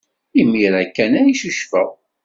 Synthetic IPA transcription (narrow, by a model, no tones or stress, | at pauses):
imːiɾækːænæjiʃəʃfæ̰